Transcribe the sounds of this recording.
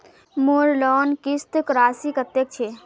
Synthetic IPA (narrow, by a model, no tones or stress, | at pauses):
moɾlɔːnkɪst̪kɾaːsikət̪ːjek̚t͡ʃʰe